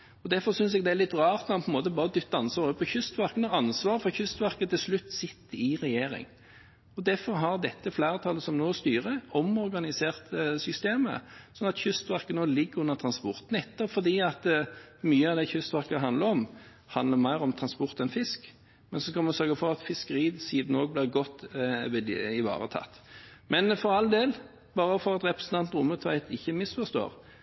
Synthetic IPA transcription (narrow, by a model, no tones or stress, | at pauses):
ɔd̪æɾfɔɾsʏnsɛɡd̪ɛæɾlɪt̪ːɾɑːʁt̪nɛpʰɛnmoːt̪əbɑːɾəb̪ʏt̪ːəɑnsʋɑːɾøpʰɔçʏst̪ʋæɾkənɔɑnsʋɑːʁfɔçʏst̪ʋæɾkət̪ʰɪlslʉt̪ːsɪt̪ːəɪʁɛjeːɾɪ̰ŋ | ɔd̪æɾfɔɾɦɑɾd̪ɛt̪ːəflæːʁət̪ʰɑlːəsɔmnoːst̪yːɾəɔmɔɾɡɑnɪseːʁt̪əsʏst̪eːmə̰sɔnɑt̪çʏst̪ʋæʁkənoːlɪɡːəɾʊnːəʁt̪ʰɾɑnspɔɾt̪nɛt̪ːəfɔd̪iːɑt̪ | myːəɑʋd̪ɛçʏst̪ʋæʁkəɦɑnd̪ləɔm | hɑnd̪ləmæɪɾɔmt̪ʰɾɑnspɔʁt̪ɛnfɪsk | mɛnsɔkɑnmɑnsœɾɡəfɔɾɑt̪fɪskəɾiːsiːd̪noːɡ̚blɪːʁɡɔt̪ːʋɪd̪ɪʋɑ̰ːʁə̰t̪ʰɑ̰t̪ːmɛnfɔɾɑld̪eːl | bɑːɾəfɔɾɑt̪ɾɛpɾəsn̩ɑnt̪ʊmʉt̪ʰʋæ̰ɪt̪ɪçːəmɪsfɔʁst̪o̰ːʁ